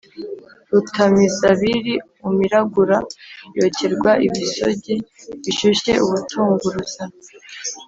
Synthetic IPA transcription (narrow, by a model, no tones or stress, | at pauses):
ɾutamizaβiɾi | umiɾaɡuɾajo̞ːceɾɡwaʔiβiso̞ɟeβiʃuʃe̞ʔuβutʰuːŋɡuɾuza